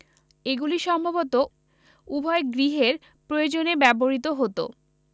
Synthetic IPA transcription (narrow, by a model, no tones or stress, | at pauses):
eɡuliʃɔmbʱabot̪o | ubʱɔeɡɾiɦeɾ | pɾojod͡ʑonebɛboɾit̪oɦot̪o̰